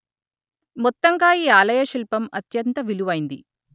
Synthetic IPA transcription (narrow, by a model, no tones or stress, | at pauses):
mɔt̪ːɐŋɡaːiːaːlɐjɐʃilpɐmɐt̪jɐnt̪ɐʋiluʋɐjind̪ḭ